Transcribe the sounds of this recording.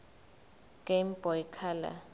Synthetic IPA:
ɡ̥ʼem̩bɔjkʰala̰

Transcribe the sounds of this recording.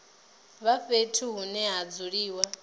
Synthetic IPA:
βaɸetʰuɦunɛɦad͡zuɺiːwa

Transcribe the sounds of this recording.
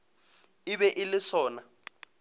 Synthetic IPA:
iɓɛʔilɪsɔːna

